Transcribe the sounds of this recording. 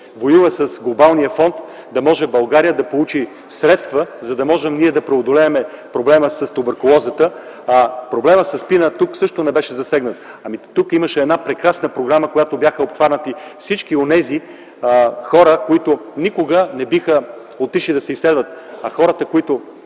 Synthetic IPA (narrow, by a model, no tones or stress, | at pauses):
vojuvəsəsɡlˠobalˠnijəfɔnt̪ | d̪ɐmɔʒɛbɐlˠɡaɾijəd̪ɐpolˠut͡ʃi | sɾɛt̪st̪vəzɐd̪ɐmɔʒɛmniɛd̪ɐpɾɛod̪olɛːmɛpɾoblɛməsɐst̪obəɾkolˠɔzət̪ə | pɾoblɛməsɐspinət̪uksɤʃt̪onɛbɛʃɛzɐsɛɡnət̪ | ɐmit̪ukiməʃɛːd̪napɾɛkɾasnəpɾoɡɾaməkojat̪objaxəopxvaɾnət̪ifsit͡ʃkionɛzi | xɔɾəkoit̪ʊnikoɡənɛbixə | ot̪iʃid̪ɐsɛislɛd̪vət̪̚ɐxɔɾət̪əkoit̪ʊ